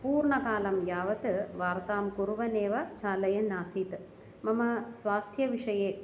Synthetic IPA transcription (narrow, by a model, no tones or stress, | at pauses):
puːɾɳɐkaːlɐmjaːʋɐt̪ɨʋaːɾt̪aːmkuɾʋɐneːʋɐt͡ʃaːlɐjɐnaːsiːt̪ | mɐmɐsʋaːst̪ʰjɐʋiʂɐjeː